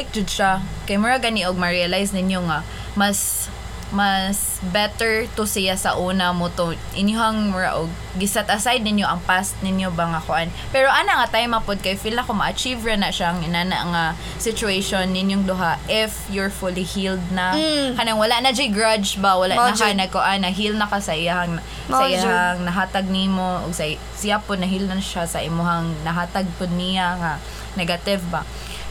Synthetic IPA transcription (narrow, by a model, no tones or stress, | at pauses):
ɪk̚d͡ʒʊd̪̚ʃakajmʊɹaɡaniʔoɡ̚mɐɹialajsnɪnjoŋa | mas | mas | bɛt̪ɛɹt̪ʊsɪjasɐʔuːnamʊt̪o | ʔɪnjoɦaŋmʊɹa̰ʔoɡ̚ːɪsat̪ʔɐsajd̪̚nɪnjoʔɐŋpast̪̚nɪnjobaŋakʊʔan | pɛɾoʔanaʔŋat̪ajmapʊd̪̚kajfilnakomaʔat͡ʃivɹanaʔʃaŋɪnana̰ʔŋa | sɪt͡ʃʊeʃonːɪnjoŋd̪ʊɦaʔɪfjʊɹfʊlihild̪̚nakɐnaŋwɐlaʔnɐd͡ʒiɡɹad͡ʒbawɐlaʔnad͡ʒanɐɡkʊʔanːɐɦilnɐkasɐʔɪjahaŋ | saʔɪjahaŋnɐɦaːt̪aɡ̚nimoʔʊɡsɐ | sɪjapʊd̪nɐɦilnanʃasɐʔɪmʊɦaŋnɐɦaːt̪aɡ̚pʊd̪̚nɪjaŋa | nɛɡat̪ɪvba